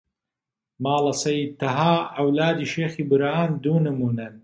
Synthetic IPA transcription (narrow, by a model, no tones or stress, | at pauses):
maːlɐsɐjt̪ɐɦaːɐwlaːd̪iːʃeːxiːbɨɾaːnd̪uːnɨmuːnɐn